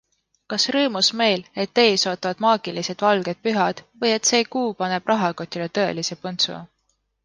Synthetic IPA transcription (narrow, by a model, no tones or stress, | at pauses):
kɑsrɤːmusme̞jle̞t̪ːe̞ːsoːt̪ːˑɑvɑd̪̥mɑːɡ̥ilise̞d̪̥vɑlɡ̥e̞d̪̥̚pyɦɑd̪̥vɤje̞t̪se̞ːkuːpɑne̞b̥rʔɑɦɑko̞t̪ʲːilet̪ɤe̞̰lise̞pont̪sṵɑ̰